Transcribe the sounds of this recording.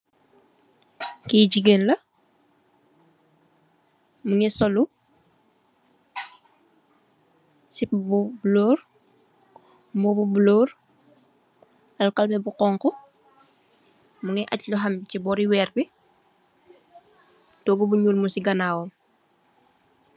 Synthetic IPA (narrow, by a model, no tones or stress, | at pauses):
kiːɟiɡeːnlɐ | muŋɛsɔlu | sipbubloːr | mbɔbubuloːr | ɐlkɐlbɛbuqɔːŋkɔ | muŋɛʔacluɦɐmcibɔːɾiwɛːrbi | tɔːɡubuɲuːlmusiɡɐnaːwom